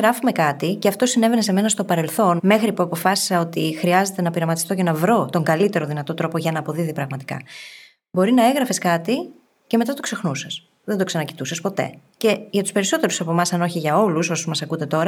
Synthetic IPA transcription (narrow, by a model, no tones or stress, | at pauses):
ɾɐfume̞kɐt̪iceɐft̪o̞sine̞vene̞s̬e̞me̞nɐst̪o̞pɐɾe̞lθo̞nme̞xɾipuɐpo̞fɐsi̥sɐo̞t̪ixɾiɐze̞t̪e̞nɐpiɾɐmɐt̪i̥st̪o̞cenɐvɾo̞t̪o̞ŋɡɐlit̪e̞ɾoðinɐt̪o̞t̪ɾo̞po̞ʝɐnɐːpo̞ðiðipɾɐɣmɐt̪i̥kɐ̰ | bo̞ɾinɐe̞ɣɾɐfeskɐt̪i | cemet̪ɐt̪o̞kse̞xnusɐs | ðend̪o̞ksɐnɐci̥t̪usɐspo̞t̪e̞̰ce̞ʝɐt̪u̥spe̞ɾiso̞t̪e̞ɾusɐpo̞mɐsɐno̞çiʝɐo̞luso̞sozmɐsɐkut̪e̞t̪o̞ɾɐ